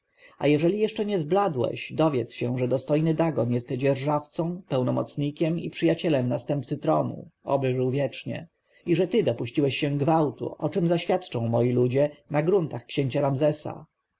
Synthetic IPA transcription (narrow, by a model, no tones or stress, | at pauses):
a̰jɛʐɛlʲijɛʂt͡ʂɛɲɛzblad̪wɛ̰ɕd̪ɔvʲjɛt̪sɕɛʐɛd̪ɔst̪ɔjnɘd̪aɡɔnjɛst̪ɛd͡ʑɛɾʐaft̪sɔ̃w̃pɛwnɔmɔ̰t̪sɲikʲɛmḭpʂɘjat͡ɕɛlɛmnast̪ɛmp̚t̪sɘt̪ɾɔnṵɔ̰bɘʐɘwvʲjɛt͡ʂɲɛ̰ | iʐɛt̪ɘd̪ɔpuɕt͡ɕiwɛɕːɛ̃ɡvawt̪ṵɔt͡ʂɛmzaɕfʲjat̪t͡ʂɔ̃w̃mɔjilud͡ʑɛnaɡɾunt̪axkɕeɲt͡ɕaɾamzɛsa̰